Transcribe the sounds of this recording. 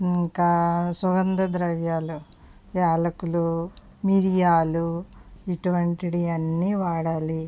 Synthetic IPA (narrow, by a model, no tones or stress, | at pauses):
iŋkɐsuɡɐnd̪ɐd̪ɾɐʋjaːlu | jaːlɐkulu | miɾijaːluiʈuʋɐɳʈiɽiɐnːiːʋaːɽaːli